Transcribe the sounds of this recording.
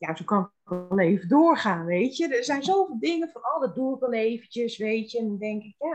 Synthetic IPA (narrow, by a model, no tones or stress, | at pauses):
jasowkɔn | klˠeːvədʊːrχaːnʋejtjədəzɛjnzoːvɪːlˠdɪŋənfʊnɔlˠdədukɛlˠeːvəntəsʋeːtjəndɔndɛŋkɪkjaː